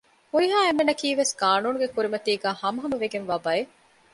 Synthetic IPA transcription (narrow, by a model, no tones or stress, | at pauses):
huɾiɦaːemːenɐkiːʋeskaːnuːnuɡekuɾimɐt̪iːɡæːhɐmɐɦɐmɐʋeɡenʋaːbɐe